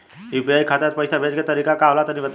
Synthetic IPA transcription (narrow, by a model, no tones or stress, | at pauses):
ipiajkʰat̪at̪̚pəjsabʱed͡ʒket̪əɾikakaʋlat̪añiʋət̪